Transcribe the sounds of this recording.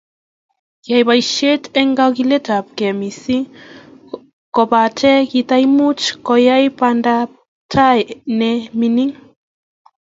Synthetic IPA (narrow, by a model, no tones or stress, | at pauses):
jajbajʃetɛŋɡaɡiletap̚kɛmisi | kɔbatʰɛkitajmut͡ʃkɔjajpanda | tʰajnɛminiŋ